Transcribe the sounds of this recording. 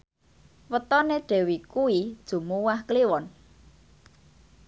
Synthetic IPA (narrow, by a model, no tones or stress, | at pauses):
wət̪ɔneɖ̥e̤wikuid̥ʒ̥ṳmuwahkliwɔn